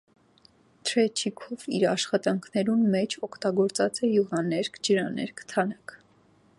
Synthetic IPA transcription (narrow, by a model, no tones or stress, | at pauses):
t̪ʰɾɛt͡ʃʰikʰɔviɾɑʃχɑt̪ɑŋkʰnɛɾunmɛt͡ʃʰɔkʰt̪ɑɡɔɾt͡sɑt͡sɛjuʁɑnɛɾkʰd͡ʒəɾɑnɛ̰ɾkʰt̪ʰɑnɑkʰ